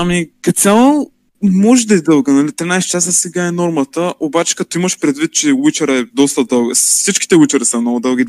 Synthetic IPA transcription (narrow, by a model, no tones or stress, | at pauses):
amikɐt̪sʲalˠo | mɔʒɛd̪ɐizd̪ɤlˠɡənɐlit̪ɾinajst͡ʃasəsɛɡaɛnɔɾmɐt̪əʔobat͡ʃɛ̥kɐt̪oimɐʃpɾɛd̪vit̪̚t͡ʃɛwit͡ʃəɾɛd̪ɔst̪əd̪ɤlˠɡəfsit͡ʃkʲi̥t̪ɛwit͡ʃəɾəsɐmnoɡʊd̪ɤlˠɡʲi